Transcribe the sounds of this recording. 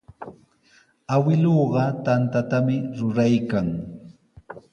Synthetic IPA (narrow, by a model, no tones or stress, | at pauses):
awɪloːɢɑt̪ant̪at̪amɪɾʊɾajkaŋ